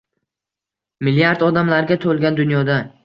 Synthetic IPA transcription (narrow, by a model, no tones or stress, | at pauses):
mɪlijaɾd̪ɒd̪amlaɾɡʲat̪ʰolˠɡʲand̪ʊnjɒd̪a